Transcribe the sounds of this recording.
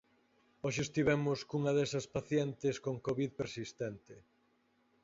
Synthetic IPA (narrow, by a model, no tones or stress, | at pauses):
oʃeːst̪iβɛmʊskuŋɐðesɐspaθjɛnt̪eskoŋkoβiðpeɾsist̪ɛnt̪e